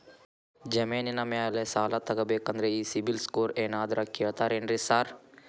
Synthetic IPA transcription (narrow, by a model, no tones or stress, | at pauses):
d͡ʒɐmeːninameaːlesaːlat̪ɐɡɐbekɐnd̪ɾɐisibilskoːɾeːnaːd̪ɾakeɽt̪aɾeːnɾesaːɾ